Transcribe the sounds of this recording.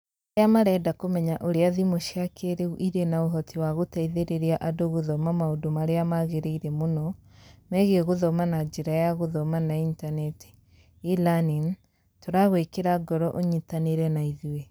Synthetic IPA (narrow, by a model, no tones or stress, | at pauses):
eamaɾɛdakomɛɲaʔoɾeaðimoʃiakʰeɾeuʔiɾenaoɦɔtʰiwaɣotaiðeɾeɾeaʔadoɣoðɔmamaodomaɾeamaɣeɾeiɾɛmonɔmɛɣeɣoðɔmanad͡ʒeɾajaɣoðɔmanaintanɛti̥ | ilanim | toɾaɣwekeɾaɡɔɾɔʔoɲitaneɾɛnaiðiwe